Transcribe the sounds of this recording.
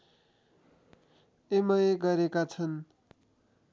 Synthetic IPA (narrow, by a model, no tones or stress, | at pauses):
emʌjeɡʌɾekat͡sʰʌn